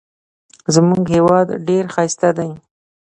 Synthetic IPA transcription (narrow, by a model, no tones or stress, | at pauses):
zmuɡhewɑd̪ɖeɾxajst̪ad̪aj